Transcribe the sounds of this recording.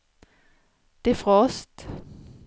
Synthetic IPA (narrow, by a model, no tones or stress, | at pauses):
d̪̥eːfʁɑɔst̪